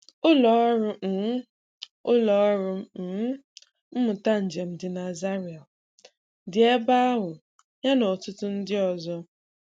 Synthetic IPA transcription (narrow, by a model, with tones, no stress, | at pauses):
ʊ˦lɔ˨˦ɔ˦ɾʊ˦˨˦ | ʊ˦lɔ˨ɔ˦ɾʊ˦˨˦ | m̩˦mʊ˨ta˦n̩˨d͡ʒe˨m̩˨dɪ˨na˨za˦ɾi˨a˨ | dɪ˨e˦ba˦a˦ɦʊ˨ | ɲa˦nɔ˨tʊ˦tʊ˦n̩˦dɪ˦ɔ˨zɔ˦